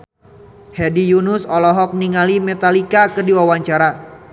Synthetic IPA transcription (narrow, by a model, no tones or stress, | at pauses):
hɛdijunʊsɔlɔɦɔk̚niŋalimɛt̪alikakərdiwawaɲt͡ʃaɾa